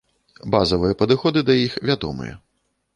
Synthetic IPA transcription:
bazɐvɨjɐpɐd̪ɨxɔd̪ɨd̪ɐjixvʲad̪ɔ̰mɨ̰jɛ̰

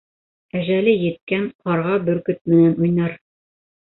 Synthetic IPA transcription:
æʒælɘjɘ̆t̪̚kænqɑɾʁɑbɵɾkɵt̪̚mɘ̆nænujnɑɾ

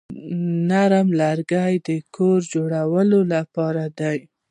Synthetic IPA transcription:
naɾəmlaɾɡajd̪əkʰoɾd͡ʒoɽawəlolapɑɾad̪aj

